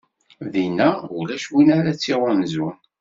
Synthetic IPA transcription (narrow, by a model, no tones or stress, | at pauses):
ðinæulæʃwinaɾat͡sːiʁanzʊn